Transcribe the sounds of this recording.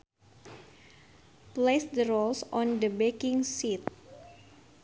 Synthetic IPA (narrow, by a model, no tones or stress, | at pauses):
plesd̪əɾolsɔ̃ndəbekɪŋsit̪̚